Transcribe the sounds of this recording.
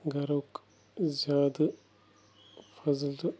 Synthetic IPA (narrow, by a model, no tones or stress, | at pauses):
ɡɐɾok | zjaːd̪ | fɐzl